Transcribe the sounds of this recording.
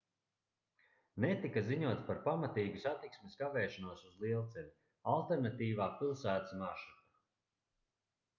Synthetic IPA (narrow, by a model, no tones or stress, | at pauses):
nɛt̪ikaziɲuɔt̪spaɾpamat̪iːɡusat̪iksmeskavɛːʃanuɔsuzlˠiɛlˠt̪sɛlʲi | alˠt̪ɛɾnat̪iːvaːpilˠsæːt̪ḁsmaʃit̪a